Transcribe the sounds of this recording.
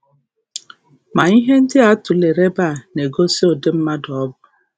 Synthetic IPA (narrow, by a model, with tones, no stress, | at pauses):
ma˨i˦ɦe˦n̩˦dɪ˦a˦tʊ˨le˨ɾe˦ba˦˨ne˨ɡo˦si˦o˨dɪ˦m̩˦ma˦dɔ˦bʊ˨